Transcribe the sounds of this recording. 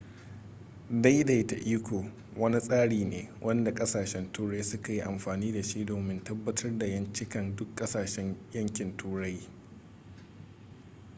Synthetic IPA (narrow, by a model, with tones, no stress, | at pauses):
da˦jda˨jta˨ʔiː˦kʷoː˨ | wɐ˦ni˦sʼaː˦ɽiː˨neː˨wʔɐ˦nda˨kʼɐ˦saː˨ʃɛ˦ntuː˦ɽa˦jsʊ˦ka˨ji˦ʔa˨mɸaː˨niː˦da˨ʃi˦doː˨mɪ˦ntɐ˦bːɐ˦tʰɐ˦rda˨jɐ˦nt͡ʃɪ˦kɐ˨ndʊ˦kʼːɐ˦saː˨ʃɛ˦ɲjɐ˦ŋkʲɪ˨ntʰuː˦ɽa˦j